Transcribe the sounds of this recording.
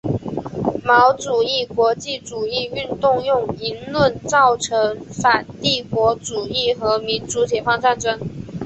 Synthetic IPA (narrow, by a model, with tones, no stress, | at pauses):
mɑ˧˥ʊʈ͡ʂu˨˩i˥˩kwɔ˧˥t͡ɕi˥˩ʈ͡ʂu˨˩i˥˧y˥˧nt̪ʊ˥˧ŋjʊ˥˩ŋi˧˥nlwə˥˧nt͡sɑ˥˩ʊʈ͡ʂʰɤ˧˥ŋfa˨˩nt̪i˥˩kwɔ˧˥ʈ͡ʂu˨˩i˥˩xɤ˧˥mi˧˥nt͡su˧˥t͡ɕjɛ˨˩fɑ˥ŋt͡sa˥˩nʈ͡ʂɤ˥ŋ